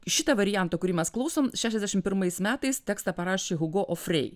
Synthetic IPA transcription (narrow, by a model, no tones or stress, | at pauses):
ʃʲɪt̪ɐʋɐɾʲɪjæˑnt̪oːkʊɾʲiːmʲɛsklˠɐʊsoːmʃʲæːʃʲɛzd̪ʲæɛʃʲɪmpʲɪɾmɐɪsmʲæːt̪ɐɪst̪ʲɛkst̪ɑpɐɾɑːʃʲeːɣʊɡoːʔofɾʲɛ̰ɪ